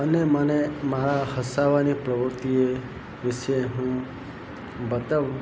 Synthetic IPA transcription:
ənemənemaɾahəsaʋanipɾəʋəɾt̪ie | ʋɪʃeɦũ | bət̪aʋ

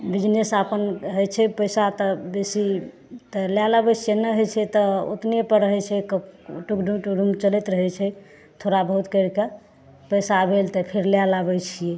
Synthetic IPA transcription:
bid͡ʒnesapənɦəjt͡ʃʰɛpəjsat̪ɔbesi | t̪əljalabɛt͡ʃʰijenəɦojt͡ʃʰɛt̪ɔo̰t̪nepəɾəɦɛt͡ʃʰɛkəʈukɖumʈukɖumt͡ʃəlɛt̪ɾəɦɛt͡ʃʰɛ | t̪ʰoɾabəɦut̪kəɾke | pəjsabʱelt̪ɔpʰeɾljalabɛt͡ʃʰije

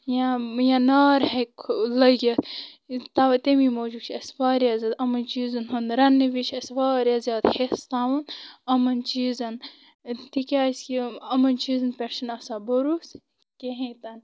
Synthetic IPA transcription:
jajanaːɾhekʰlɐɡʲɐt̪ʰ | t̪ɐʋɐt̪emimoːd͡ʒut͡ʃʰɐsʋaːɾijɐzɐd̪ɐmɐnt͡ʃiːzɐnɦɐnɾɐnːiʋit͡ʃʰɐsʋaːɾʲjɐzjaːt̪hest̪aːʋɐnɐmɐnt͡ʃiːzɐn | t̪ikʲaːskʲiɐmɐnt͡ʃiːzɐnpʲeɾʃɐnɐsabɐɾus | kʲeɦẽt̪ɐn

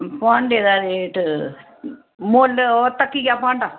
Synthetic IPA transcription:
paːɳɖeðaðeʈːɨ | moːlːot̪ɐkːikʲːapaːɳɖa

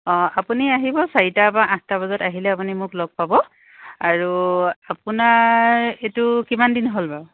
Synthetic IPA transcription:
ɔapuniaɦibɔsaitabaʔãstabɔzɔtaɦilɛapunimʊklɔɡ̚pabɔ | aɹuapunaɹetʊkimandinɦolba

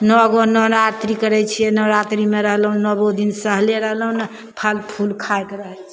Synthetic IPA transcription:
nɔɡonɔnat̪ɾikəɾɛt͡ʃʰiɛnɔɾat̪ɾimeɾəɦlɦũnɔbod̪insəɦleɾəɦlɦũnə | pʰəlpʰulkʰaekɾəɦəlt͡ʃʰ

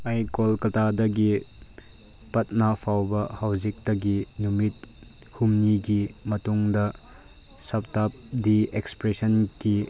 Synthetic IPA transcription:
ajkolkɐtʰadɐɡi | pɐt̚napʰawbɐhawzik̚tɐɡinumit̚ | humniɡimɐtuŋdɐ | sɐp̚tap̚diekspɾesɐnki

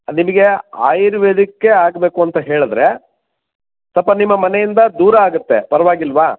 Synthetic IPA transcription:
nimɐɡe̞a̰ːjɾʋed̪ikːeaːɡbe̞ːkuɐnt̪ɐɦe̞ːɭud̪ɾe̞ | t̪ɐpːɐnimːɐmɐnejind̪ɐd̪uːɾɐːɡut̪ːepɐɾɐʋaːɡilːʋaː

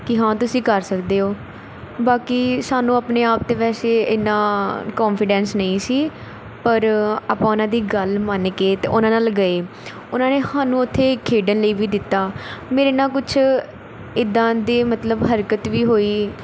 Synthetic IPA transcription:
kɪɦãːt̪ʊsĩːkəɾsəkd̪eːoː | baːkiːsaːnũːəpneːaːp̚t̪eːʋɛːseːɪnãːkɔːnfʰɪɖɛ̃ːnsnəĩːsiː | pəɾəpãːʊnãːd̪iːɡəlmənkeːt̪eʔʊnãːnaːlɡəeː | ʊnãːneːhaːnũːʊt̪ʰːeːkʰːeːɖənləiːʋiːd̪ɪt̪ːaːmeːɾeːnaːk̬ʊt͡ʃʰ | ɪd̪ãːd̪eːmət̪ləbɦəɾkət̪ʋiːɦoːiː

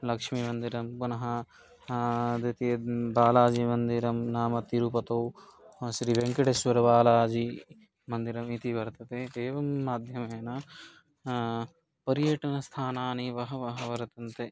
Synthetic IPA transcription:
lɐkʂmimɐnd̪iɾɐmkonɐɦɐ | d̪it̪ibaːlaːd͡ʒimɐnd̪iɾɐmnaːmɐt̪iɾupɐt̪ɐw | ʃɾiʋeŋkɐɽesʋɐɾɐʋaːlaːd͡ʒi | mɐnd̪iɾɐmit̪iʋɐɾt̪ɐt̪eeːʋɐmːaːd̪ʱjɐmeːnɐ | pɐɾijɐʈɐnɐst̪ʰaːnaːniʋɐɦɐʋɐɦɐʋɐɾt̪ɐnt̪e

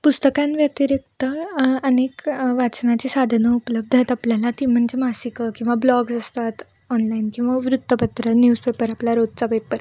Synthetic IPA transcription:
pust̪əkãnʋjat̪iɾek̚t̪əənekʋat͡snat͡ɕisad̪ʱnəupələb̚d̪ʱat̪apljalat̪iːm̤əɳd͡ʑemasikəkĩw̃ʋablɔɡsast̪at̪ | ɔnlainkĩw̃ʋaʋɾut̪ːəpət̪ɾənjuːd͡zpepəɾaplaɾod̪̚t͡sapepːəɾ

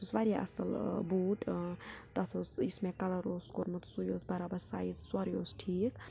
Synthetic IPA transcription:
usʋaɾjaʔɐ̰sɐ̰lbuːʈt̪ɐt̪ʰosismekɐlɐɾoːskoɾmɐt̪sujoːsbɐɾaːbɐɾsa̰ːizswɐɾjoːsʈʰiːk

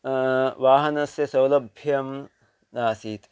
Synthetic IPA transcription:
ʋaːɦɐnɐsjɐsɐwlɐbʱjɐm | naːsiːt̪

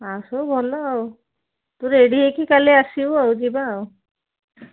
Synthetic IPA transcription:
asobʱɔlɔaw | t̪uɾeɽiɦekikaliasiuawd͡ʒibaːw

